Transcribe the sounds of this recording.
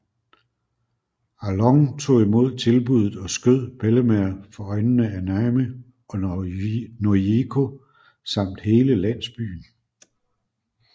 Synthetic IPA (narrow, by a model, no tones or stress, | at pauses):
ælɒ̽ŋt͡sʰo̝̰ːimo̝ð̞̰ˠt͡sʰe̝lb̥uð̞ˠð̩ˠɒ̽sɡ̥øð̰ˠb̥eləmeɐfɒ̽ɒ̽ɪnənəænæɪmə | ɒ̽ | noekʰo̝ | sɑ̈m̰d̥he̝ːləlæn̰sb̥y̰ːn̩